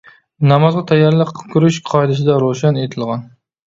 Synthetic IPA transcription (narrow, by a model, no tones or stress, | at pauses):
namɒzɑt̪ʰajːaɾlɪkʲʰʊɾɪʃqʰɑjd̪ɪʃ̬ɪd̪aɾoʃanet̪ʰɪlˠʁɑn